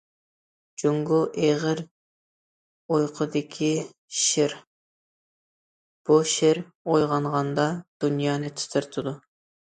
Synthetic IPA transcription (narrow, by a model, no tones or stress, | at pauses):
d͡ʒoŋɡuʔeʁɪɾ | ojqʰəd̪ɪkʲʰi | ʃɪɾ | b̥uʃɪɾ | ojʁɑɴʁɑnd̪ɑd̪̥unjɑːnɨt̪ʰɨ̥t̪ʰɪɾt̪ʰɨd̪u